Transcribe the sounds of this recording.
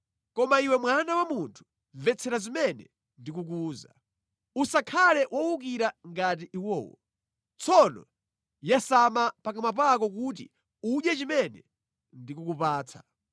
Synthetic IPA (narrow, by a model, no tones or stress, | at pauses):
kɔmaiwɛmwanawamuntʰu̥ | ɱvɛt͡sʰɛɾazimɛnɛ̰ | ndik̬uk̬uːza̰ | usakʰalɛwʔɔwuk̬iɾaŋɡat̬iʔiwɔ̰ːwɔ̰ | t͡sʰɔnɔ̰ | jasamapakamap̬ak̬ɔk̬ut̬ḭ | uɗjat͡ʃimɛnɛ̰ | ndikukupaːt͡sʰḁ